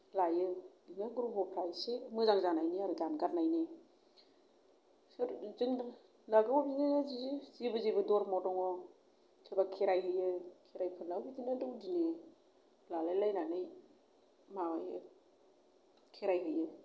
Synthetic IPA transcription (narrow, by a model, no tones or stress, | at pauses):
lajɯdinɯɡɾubɔpʰɾajsemɯzaŋzanajniaɾɯɡanɡaɾnajne | sɾziŋ | laɡɯmɔbinaazizizibɯzibɯdɔɾmɔdɔŋɔ | kʰebakʰeɾajɦɯjɯkʰeɾajpʰɯnlawbidinɯdɯwdine | lalajlajnanɯj | mawajɯ̰ | kʰeɾajɦɯjɯ